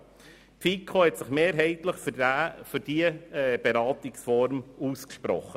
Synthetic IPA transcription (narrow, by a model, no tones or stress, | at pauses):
fikʰːohɛt̪sɪχmeːɾɦɛɪt̪ləχffʏɾd̥iəb̥eɾɑːt̪ɪksfɔɾmuːskʃpɾɔ̰χːə